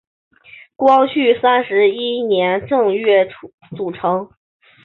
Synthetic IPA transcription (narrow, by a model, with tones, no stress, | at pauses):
kwɑ˥ŋɕʰy˥˩sa˥nʂɻ̩˧˥i˥njɛ˧˥nʈ͡ʂɤ˥˧ŋɥɛ˥˩ | t͡su˨˩ʈ͡ʂʰɤ˧˥ŋ